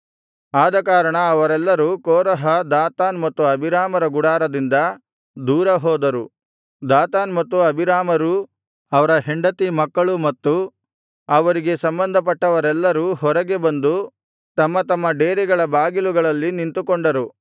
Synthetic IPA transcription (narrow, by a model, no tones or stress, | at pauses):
aːd̪ɐkaːɾɐɳɐːʋɐɾɛlːɐɾuːkɔːɾɐɦɐd̪aːt̪aːnmɐt̪ːuɐbʱiɾaːmɐɾɐɡuɽaːɾɐd̪ind̪ɐ | d̪uːɾɐɦɔːd̪ɐɾu | d̪aːt̪aːnmɐt̪ːuɐbʱiɾaːmɐɾu | ɐʋɐɾɐɦeɳɖɐt̪imɐkːɐɭumɐt̪ːu | ɐʋɐɾiɡe̞sɐmbɐnd̪ʱɐpɐʈːɐʋɐɾɛlːɐɾuɦɔɾɐɡe̞bɐnd̪u | t̪ɐmːɐt̪ɐmːɐɖeːɾiɡɐɭɐbaːɡiluɡɐɭɐlːinint̪ukɔɳɖɐɾu